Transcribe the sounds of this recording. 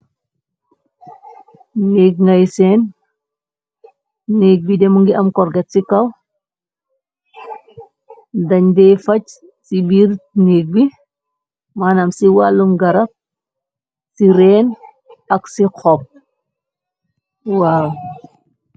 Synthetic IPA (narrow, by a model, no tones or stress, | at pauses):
nek̚ŋɐjseːn | nek̚bidɛmuŋɡiʔɐmkɔɾɡɛtsikɐw | dɐɲdɛfɐc | sibiɾneːk̚bi | manɐmsiwalːumɡɐɾɐp̚ | siɾɛːn | ɐksikʰɔp̚ | waːw